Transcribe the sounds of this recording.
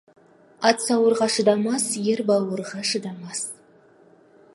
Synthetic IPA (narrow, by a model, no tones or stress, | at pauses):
ɑt̪sɑwəɾʁɑʃəd̪ɑmɑsjeɾbɑwəɾʁɑʃəd̪ɑmɑs